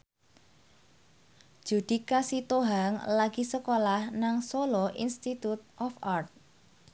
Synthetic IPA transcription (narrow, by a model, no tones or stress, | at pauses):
ʒ̥ṳd̪̥i̤kasit̪oɦaŋlaɡ̥isəkolahnaŋsoloʔḭnst̪it̪ut̪̚ʔɔfart̪̚